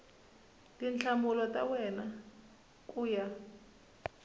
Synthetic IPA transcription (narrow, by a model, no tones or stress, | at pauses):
lint͡ɬʰamulɔtʼa̰wɛna | kʼuːja